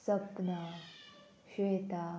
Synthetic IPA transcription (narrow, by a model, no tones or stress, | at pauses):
səpna | ɕʋet̪a